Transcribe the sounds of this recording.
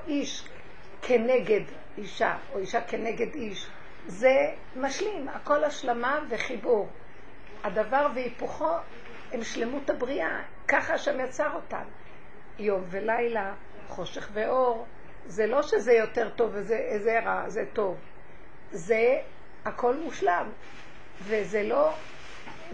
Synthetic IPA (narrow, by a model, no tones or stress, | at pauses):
ʔiʃ | kʰeneɡe̞d | iʃa̰ | oiʃakeneɡe̞diʃ | ze | maʃlimako̞laʃlamaveχibuʁ | adavaʁveipuχo̞ | emʃlemutabʁiʔa | kaχaʃamjat͡saʁo̞ta̰n | jo̞mve̞lajla | χo̞ʃe̞χveʔo̞ʁ | zelo̞ʃezejo̞te̞ʁto̞vezeezeʁazeto̞v | ze | akʰo̞lmuʃlam | vezelo̞